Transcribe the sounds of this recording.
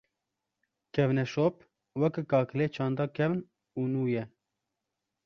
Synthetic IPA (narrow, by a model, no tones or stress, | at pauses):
kʰɛvnɛʃoːp | wɛkɨkɑːkɨleːt͡ʃʰɑ̃ːnd̪ɑːkʰɛvn | uːnuːjɛ